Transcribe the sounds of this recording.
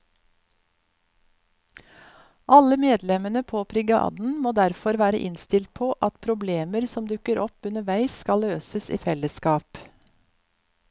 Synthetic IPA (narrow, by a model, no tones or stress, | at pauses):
ʔɑləmeːd̪lɛmənəpʰoːpʰɾɪɡɑ̰ːd̪n̩moːd̪æɾfɔɾʋæːɾəʔɪnst̪ɪlt̪̚pʰoːʔɑt̪pʰɾʊbleːməɾsɔmd̪ʉkəɾɔpʉnəʋæɪsskɑløːsəsḭːfɛləskɑːp